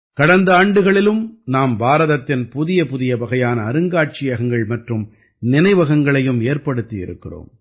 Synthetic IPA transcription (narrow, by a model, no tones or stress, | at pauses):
kɐɽɐnd̪ɐaːɳɖɯɣɐɭɪlɯmnaːmbaːɾɐðɐt̪ːɪnpʊðɪjɐpʊðɪjɐbɐɣɐjaːnɐːɾɯŋɡaːʈ̚t͡ʃɪjɐɣɐŋɡɐɭmɐʈrɯm | nɪnɐɪʋɐɣɐŋɡɐɭɐjɯmeːrpɐɽɯt̪ːɪjɪ̰ɾɯ̰kːɪro̰ːm